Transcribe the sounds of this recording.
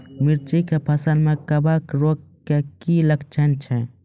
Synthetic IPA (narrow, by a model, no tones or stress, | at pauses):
miɾt͡ʃikepʰɐsəlmẽkɐbakɾoːkkːekilɐkt͡ʃʰənt͡ʃʰɛ